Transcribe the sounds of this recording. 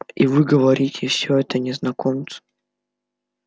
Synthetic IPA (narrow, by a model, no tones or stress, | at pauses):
ivɨɡəvɐɾʲitʲʰɪfsʲɵɛt̪ənʲɪznɐkomt̪sə̥